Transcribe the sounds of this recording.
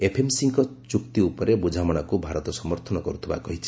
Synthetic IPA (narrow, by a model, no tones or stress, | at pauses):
epʰemsiŋkɔt͡ʃukt̪iupɔɾebud͡ʒʱamɔɽ̃ɔkubʱaɾɔt̪ɔsɔmɔɾt̪ʰɔnɔkɔɾut̪ʰiba̰kɔɦit͡ʃʰi̥